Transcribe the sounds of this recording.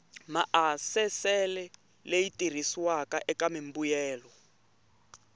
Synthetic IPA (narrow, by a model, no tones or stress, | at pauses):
maʔasɛsɛlɛ | lejitʼir̤iswakaʔɛkamimbujɛːlɔ